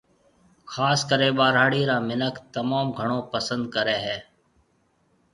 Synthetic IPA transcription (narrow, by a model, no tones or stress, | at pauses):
xaːskəɾeːɓaːɾaːɽiːɾaːmɪnəkt̪əmaːmɡʱəɳ̃oːpəsənd̪̚kəɾeːɦɛː